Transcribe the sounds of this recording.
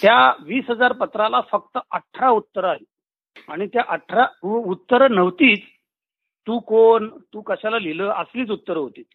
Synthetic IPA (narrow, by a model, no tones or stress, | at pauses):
t̪jaʋiːsɦəd͡zaɾpət̪ɾalafək̚t̪əʔəʈʰːɾaut̪ːəɾaɦe | aɽ̃it̪jaʔəʈʰɾaut̪ːəɾnəʋt̪iːt͡s | t̪ːuːkoɳt̪uːkəɕalaliləːʔəsliːt͡sut̪ːəɾɦot̪iːt̪